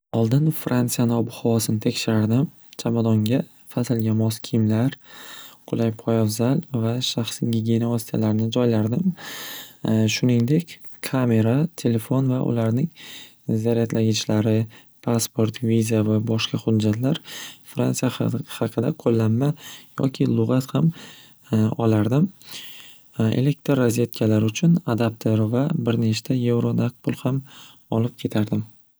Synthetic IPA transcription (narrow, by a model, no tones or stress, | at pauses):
ɒlˠd̪ɪnfɾʔant̪sijanɪɒbʊhawɒsɪnɪt̪ʰe̞kʲʃɪɾaɾd̪ɪm | t͡ʃʰamad̪ɒŋɡʲa | fasɪlɡʲanmɒskʲʰɪjmlaɾqʰʊlˠʔajpʰɒjavzalvaʃaχsɡʲiɡʲienaosɪ̥t̪ʰa̰laɾɪnɪd͡ʒɒjlaɾd̪ɪm | ʃʊnɪŋd̪e̞kʲ | kʰame̞ɾat̪ʰe̞le̞fo̞nvaʔʊ̰laɾnɪŋ | zaɾijat̪ʰlaɡʲɪt͡ʃlaɾɪ | pʰaspo̞ɾt̪vizavabɒʃkaχʊdd͡ʒat̪ʰlaɾfɾa̰nsijahɑqʰɨd̪aqʰolːanmajɒ̰kʲʰɪlˠʊʁɑt̪ham | ɒlaɾd̪ɪm | ḛle̞k̚t̪ɾaze̞t̪kʲʰalaɾʊt͡ʃʰʊnad̪ap̚t̪ʰeɾvabɪɾneʃt̪ʰaje̞vɾonak̚pʰʊlˠham | ɒlɪp̚kʲʰe̞t̪ʰaɾd̪ɪm